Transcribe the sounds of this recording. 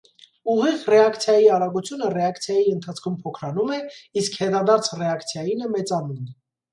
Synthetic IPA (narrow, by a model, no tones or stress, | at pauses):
uʁiʁrɛɑkt͡sʰjɑjiɑɾɑɡut͡sʰjunərɛɑkt͡sʰjɑjiənt̪ʰɑt͡sʰkʰumpʰɔkʰɾɑnumɛiskhɛt̪ɑd̪ɑɾt͡sʰrɛɑkʰt͡sʰjɑjinəmɛt͡sɑnun